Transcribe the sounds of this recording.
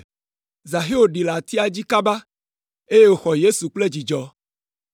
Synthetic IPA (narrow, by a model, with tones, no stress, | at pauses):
za˨ɦe˦wo˨ɖi˨la˨t̪i˦a˨d͡ʑi˦ka˦ba˦ | e˦je˦wo˦xɔ˨je˦su˨k͡ple˦d͡ʑi˨d͡ʒɔ˦